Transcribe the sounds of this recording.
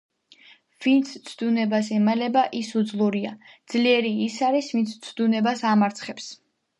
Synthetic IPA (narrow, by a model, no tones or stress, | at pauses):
v̥int̪sʰt̪sʰd̪unɛbas̬ɛmalɛbaʔisud̪zlˠuɾiad̪z̥liɛɾiːsaɾisvint̪sʰt̪sʰd̪unɛbasamaɾt̪sʰχɛps